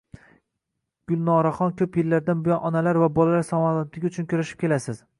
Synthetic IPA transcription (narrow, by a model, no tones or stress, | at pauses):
ɡ̥ʊlˠnɒɾaχɒnkʲʰɵpjelːaɾd̪anbɪjɒnʔɒnalaɾvabɒlalaɾsɒmaat̪lɪɡʲʊt͡ʃʰʊnkʲʊɾaʃɪp̚kʲʰe̞lasɪz̥